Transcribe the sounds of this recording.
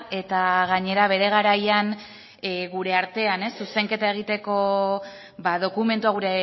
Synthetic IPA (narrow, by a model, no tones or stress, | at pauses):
e̞t̪aɣaɲe̞ɾaβ̞e̞ɾe̞ɣ̞aɾajan | ɣuɾe̞aɾt̪e̞ane̞sːuse̞ŋke̞t̪ae̞ɣ̞it̪e̞ko̞ | baðo̞kume̞nt̪uaɣ̞uɾe